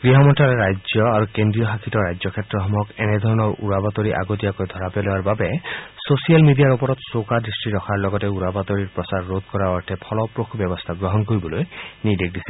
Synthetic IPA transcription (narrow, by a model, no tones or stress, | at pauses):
ɡ̥ɾiɦɔmɔnʈaɾeɾajd͡ʒjɔaɾukend̪ɾijɔɦakʰit̪ɔɾajd͡ʒɔkʰjet̪ɾɔɦɔmɔkened̪ʱɔɾɔnɔɾṵɾabat̪oɾiʔa̰ɡot̪ijakojd̪ʱɔɾapeloaɾbabesosialmidijaɾupɔɾɔt̪sokad̪ɾisʈiɾɔkʰaɾlɔɡɔteuɾabat̪oɾiɾpɾɔsaɾːod̪̚ʱkɔɾaɔɾtʰepʰɔlɔpɾokʰbjɔbɔst̪ʰaɡɾɔɦɔnkoɾibɔlojnid̪ek̚ʰd̪isi̥